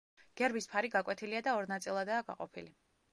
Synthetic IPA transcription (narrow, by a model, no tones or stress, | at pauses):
ɡ̥ɛɾbispʰaɾiɡakʼwɛt̪ʰiliad̪aɔɾnat̪sʼilˠad̪aːɡa̰qʼɔpʰili